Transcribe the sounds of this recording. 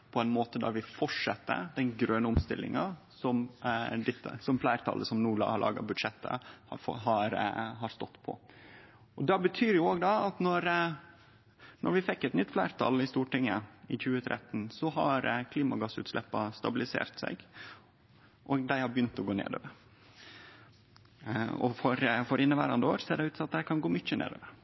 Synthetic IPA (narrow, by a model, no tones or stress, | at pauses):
pʰɔɛɪnmoːt̪əd̪æ̰ɾʋɪfɔʈʂɛt̪ːə̰d̪ɛnɡɾøːnəʊmst̪ɪlːɪ̰ŋɑ | sɔmd̪ɪt̪ːə̰sɔmflæɪɾt̪ʰɑ̰lʔəsɔmnuːɭɑ̰hɑɭʔɑ̰ːɡɑ̰bʉd̪ʂɛt̪ʰːə̰hɑfɔ̰ɦɑɾɦɑɾst̪ɔt̪ːpʰɔ̰ | ɔd̪ɑbət̪ʰyːɾjʊoːɡd̪ɑɑt̪nɔɾ | nʔɔ̰ɾʋɪfɛkːɛt̪nʏt̪ːflæːɾt̪ʰɑ̰lɪst̪uːʈɪŋːəɪçʉːət̪ʰɾʔɛ̰t̪ːn̩sɔɦɑɾkʰliːmɑɡɑsːʉ̰ːt̪slɛpːɑst̪ɑbɪlɪsḛːɾt̪sɛ̰ɡ | ʔɔɡd̪æɪhɑɾbjʏnt̪ɔɡoːnḛːd̪o̰ːʋəɾ | ɔfɔɾfɔɾʔɪnːəʋæːɾɑnd̪əoːɾsɔeːɖɛɪʉːt̪sɔmɑt̪̚d̪æɪkʰɑnɡoːmʏc͡çənḛːd̪o̰ːʋəɾ